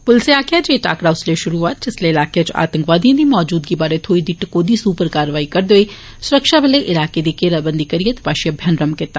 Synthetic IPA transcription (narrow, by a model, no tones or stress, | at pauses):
pʊlseaːkjad͡ʒeʈa̰ːkɽaːʊsleʃʊɾuːaːt̪̚d͡ʒɪsleɪlaːket͡ʃa̰ːt̪ə̃ŋkʋaːd̪ijãd̪iːmɔːd͡ʒuːd̪̚kibaːɾet̪ʰoːid̪ɪʈkoːd̪isuːpəɾkaːɾʋaːikɐɾd̪eːi | sʊɾəkʃabɪleʔɪlaːked̪ikeːɾabə̃nd̪ʱikəɾijət̪ʋaːʃjəbʱjɐnɾəmkɪt̪ːa